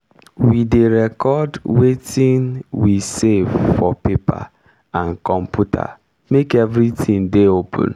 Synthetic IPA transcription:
wideɾɛkɔdwetĩnwisevfɔpepa̰ | ankɔ̃m̩pjutʰa̰ | mekevɾitʰĩŋdeopʰṵ̃n

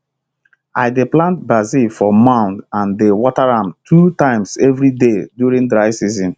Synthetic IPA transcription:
aɪdeplãnt̚bazifɔmãʊ̃ndãndewɔtaɹãmtʰutãɪ̃msɛvɹidedjuɾĩŋdɹaɪsizɔ̃n

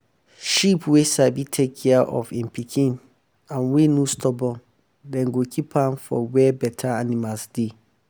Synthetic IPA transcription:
ʃipʰwesabitʰekʰːɛaʔɔ̰fĩmpʰikʰĩn | ãnwenũstʰɔbɔ̃n | dɛ̃ŋɡokʰipʰãnfɔ̰wɛbɛtʰaanĩmalsd̥i

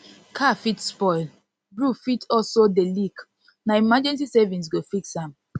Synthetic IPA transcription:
kʰafitspɔɪl | bɹufitɔlsodelik | naimad͡ʒɛ̃ns̬isɛvĩns̬ɡofiksãm

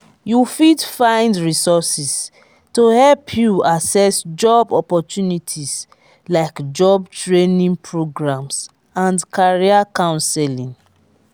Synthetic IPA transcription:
jufidfãɪ̃ndɹisɔsis | tohɛlpʰjuasɛsd͡ʒɔbɔpɔtjunitʰis | laɪkd͡ʒɔbtɹenĩŋpʰɹoɡɹãms | ãndkʰaɹiakãʊ̃nsɛlĩŋ

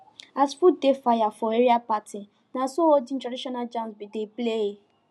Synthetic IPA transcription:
asfudefajafɔeɾiapati | nãsoodin̩tadiʃɔnad͡ʒãsbideplee

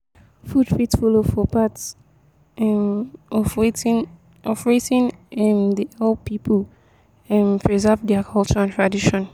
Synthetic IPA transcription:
fudfitfɔlofɔpats | ɛɔ | ɔfɹetĩnɛ̃mdiɛlpʰipʰəl | ɛ̃mpɹɛzɛvdɛakʰɔlˠt͡ʃəɹãntʰɹadiʃɔ̃n

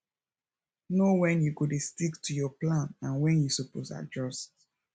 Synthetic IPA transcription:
nowɛ̃njukudestiktʰujɔplãnãnwɛ̃njusuposa̰d͡ʒɔst

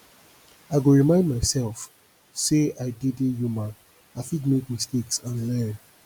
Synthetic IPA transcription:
aɪɡoɹimãɪ̃ndmaɪsɛlf | seaɪdidejuma | afitmekmisteksãnlɛ̃n

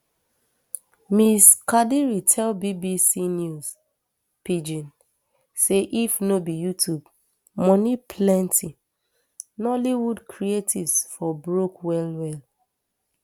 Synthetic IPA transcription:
miskadiɹitʰɛlbibisinjus | pid͡ʒĩn | seʔifnobijutʰub̚ | mɔnipʰlɛ̃ntʰi | nɔliwudkʰɹietʰivsfɔbɹokwɛlwɛl

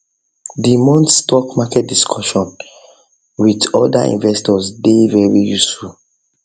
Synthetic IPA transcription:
dimɔ̃ntstɔkmakɛt̚diskʰɔʃɔ̃n | widɔda̰ḭ̃nvɛstɔsdevɛɹijusfu

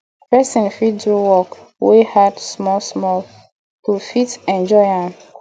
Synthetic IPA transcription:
pɛsĩnfiddɹuwɔk | wehadsmɔlsmɔl | tufitɛ̃nd͡ʒɔɪãm

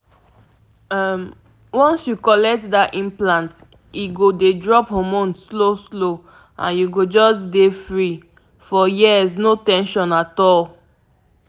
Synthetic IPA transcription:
ɛm | wɔ̃nsjukɔlɛk̚tdaʔĩnplãnt | iɡodedɹɔphɔmɔ̃ntsloslo | ã̰njuɡod͡ʒɔsdefɹi | fɔjiəznotɛ̃nʃɔ̃natɔl

